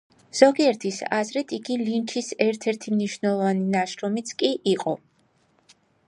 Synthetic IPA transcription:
z̥ɔɡiɛɾt̪ʰisa̰zɾɛd̪ʰiɡilint͡ʃʰisɛɾt̪ʰɛɾt̪ʰimniʃvnɛlˠɔvaninaʃɾɔmit̪sʰkʼiʔiqʼɔ

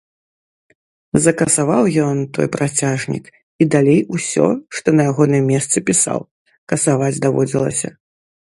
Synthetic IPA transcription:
zɐkɐsavawjɔnt̪ɔ̰jpɾat͡sʲaʐnʲḭk | id̪alʲejusʲɔ̰ʂt̪ɔnɐjaɣɔnɨmːʲɛst̪sɨpʲisa̰w | kɐsavad͡zʲd̪avɔ̰d͡zʲilˠɐ̰sʲɐ̰

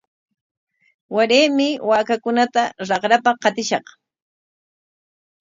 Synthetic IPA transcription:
waɾeːmɪwaːkakʊnat̪aɾɑqɾapaqɑt̪ɪʃɑq

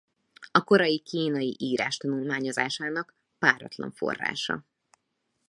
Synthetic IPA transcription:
ɒko̞ɾɒjikiːnɒjiʔiːɾaːʃt̪ɒnulmaːɲo̞zaːʃaːnɒk | paːɾɒ̰t̪lɒ̰ɱfo̞̰rːa̰ːʃɒ̰

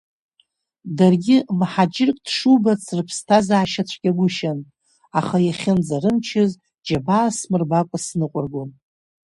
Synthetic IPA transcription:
darɡʲɪmħad͡ʒʼɪrkʼd̥ʂubat͡sʰrɨpʰstʰazaːʃat͡ɕʷʰʼɡʲaɡʷʊʃan | aχajaχʲɪnd͡zaɾɨmt͡ʃʰɪz | d͡ʒabaːsmɨrbakʷʼasnɨqʷʼʊrɡʷom

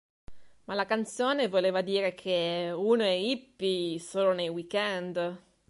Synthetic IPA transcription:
malakant̪soːnevoleːvad̪iːɾekʰeunoɛipːisoːlonejwikɛnd̪

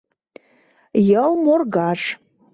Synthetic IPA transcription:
jalmorɡaʂ

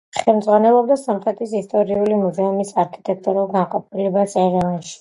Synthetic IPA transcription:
χɛlˠmd̪zʁwanɛlˠɔb̚d̪asɔmχɾɛt̪ʰʼisist̪ʼɔɾiulimuzɛumisaɾkʰi̥t̪ʼɛk̚ʰt̪ʼuɾulˠɡanqʼɔpʰilɛbat̪sʼɛɾanʃi̥

